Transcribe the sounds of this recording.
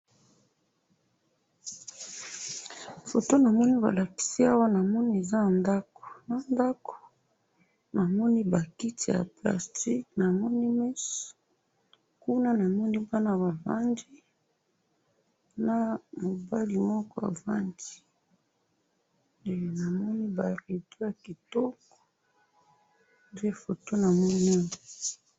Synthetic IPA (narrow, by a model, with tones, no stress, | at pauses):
fo˨to˦na˨mɔ˦ni˦ba̰˨la˨ki̥˨si˦a˦wa˦na˨mɔ˦ni˦e˨za˦na˨nda˦ko̥˨na˨nda˦ko̥˨ | na˨mɔ˦ni˦ba˨ki˦ti˨ja̰˨pla̰˨sti˦kna˨mɔ˦ni˦mɛ˦s | ku˦na˦na˨mɔ˦ni˦ba˦na˦βa˨va̰˦ndi˦ | na˨mo˨ba˦li˨mɔ˦kɔ˦ja̰˨va˦ndi˨ | e˨na˨mɔ˦ni˦ba˨li˨to˦ja˨ki˨tɔ˦kɔ̥˨ | nde˦˨fo˨to˦na˨mɔ˦ni˦˨